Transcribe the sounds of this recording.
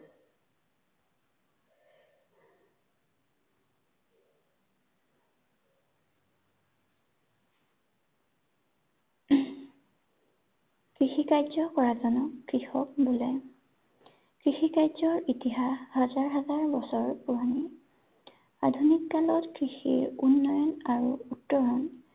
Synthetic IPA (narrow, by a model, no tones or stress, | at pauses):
kɹixikajzɔkɔɹazɔnɔkːɹixɔk̚bulɛ | kɹixikajzɔɹitiɦaxhazaɹɦazaɹbɔsɔɹpuɦani | a̰dʱunikːalɔtkɹixḭɹunːɔjɔnaɹuutːɔɹɔn